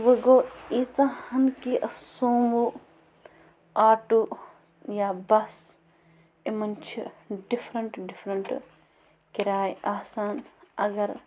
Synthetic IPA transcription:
ʋɐɡoːit͡sãhɐnkiʔɐsoːmu | aːʈu | jabɐs | imɐnt͡ʃʰiɖifʰɾɐɳʈɖipʰɾɐɳʈ | kiɾaːjaːsaːnɐɡɐɾ

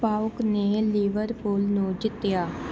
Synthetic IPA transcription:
paːʊkneːlɪʋəɾpuːlnũːd͡ʒɪt̪ːjaː

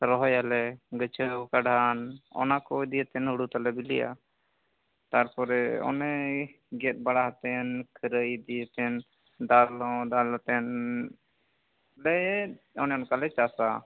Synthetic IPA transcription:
ɾɔɦɔjalɛɡət͡ʃʰəkaɖanɔ̰nakɔd̪ijət̪ɛnɦuɽut̪alɛbilija̰ | t̪aɾpɔɾɛɔ̰nɛ | ɡɛt̪̚baɽaɦt̪ɛnkʰəɾəjd̪ijət̪ɛn | d̪alɔ̃d̪alt̪ɛn | lɛ | ɔnɛɔnkalɛt͡ʃasa

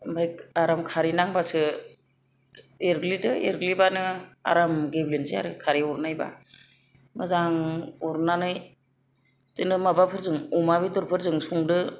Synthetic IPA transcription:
mbajaɾamkʰaɾinaŋbasɯ | eɾɡlidɯḛɾɡlibanɯa̰ɾamɡeblinzija̰ɾɯkʰaɾiɔɾnajba̰ | mɯzaŋɔɾnanɯj | tɯnɯmabapʰɯɾzɯŋumaβidɔɾpʰɯɾzɯŋsuŋdɯ

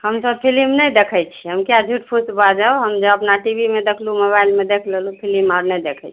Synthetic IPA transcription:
həmsəb̚pʰilimnəjd̪ekʰət͡ʃʰiɦəmkjad͡ʒʱuʈpʰusbad͡ʒaoɦəmd͡ʒəəpnaʈibimed̪ekʰlumoβailmed̪ekʰlelupʰilimaɾnɛjd̪ekʰɛt͡ʃʰi

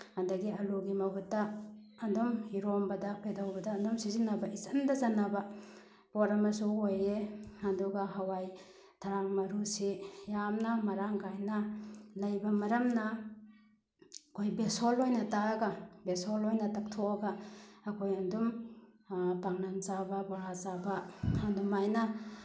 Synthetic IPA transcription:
ɐndɐɡiɐluɡimɐbutːɐːndumhiɾombɐdɐpʰedawbɐdɐːndumsizinːɐbɐʔisɐndɐzanɐbɐ | pɔɾɐmɐsuojeɐduɡɐɦɐwaj | tʰaɾaŋmɐɾusijamnɐmɐɾaŋkajnɐlɐjbɐmɐɾɐmnɐ | kʰojbesolojnɐtaɡɐbesolojnɐtɐk̚tʰɔɐɡaɐkʰojɐndum | paŋnant͡ʃabɐbɔɾat͡ʃabɐɐndumajnɐ

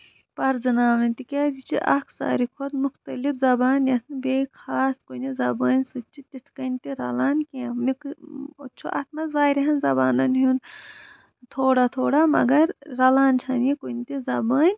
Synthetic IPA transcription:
pɐɾd͡ʒɐnaːʋɐnʲt̪ikʲaːd͡ʒit͡ʃʰiʔɐkʰsa̰ːɾikʰod̪muxt̪ɐlifzɐbaːnɐt̪ʰnɨbeːikʰaːskonizɐbaːnʲsɨt͡ʃʰit̪it̪ʰkɐnt̪iɾɐlaːnkẽmikot͡ʃʰuʔɐ̰t̪ʰmɐzʋaːjɾiɦɐnzɐbaːnɐnɦun | t̪ʰoːɽat̪ʰoːɽamɐ̰ɡɐɾɾɐlaːnt͡ʃʰɐnikont̪izɐbaːnʲ

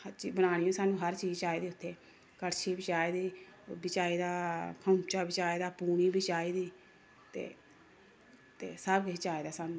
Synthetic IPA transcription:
həɾt͡ʃiːbənaːnijõːsaːnũːɦəɾt͡ʃiːd͡ʒt͡ʃaːiːd̪iːʊt̪ʰːeː | kəɾʃʰeːbɪt͡ʃaːeːd̪iːbɪt͡ʃaːiːd̪aːkʰə̃t͡ʃaːbɪt͡ʃaːeːd̪aːpuːniːbiːt͡ʃaːiːd̪iː | t̪ḛː | t̪eːsəbkɪt͡ʃaːeːd̪aːsaːnũː

